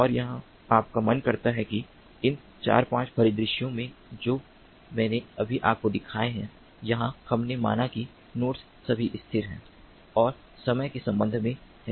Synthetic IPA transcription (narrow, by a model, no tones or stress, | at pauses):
ɔːɾjɐɦã | aːp̚kamɐnkɐɾt̪aɦɛki | ɪn | t͡ʃa̰ːɾpãːt͡ʃpʰɐɾɪd̪ɾɪʃjõmẽd͡ʒoː | mɛ̃ːneɐbʱiʔaːp̚kod̪ɪkʰaːeɦɛ̰̃ | jɐɦãhɐmnema̰ːnaki | noːʈs | sɐbʱiʔɪst̪ʰɪɾɦɛ̰̃ː | ɔːɾ | sɐməjkesɐ̃mbə̃nd̪ʱmẽɦɛ̃ː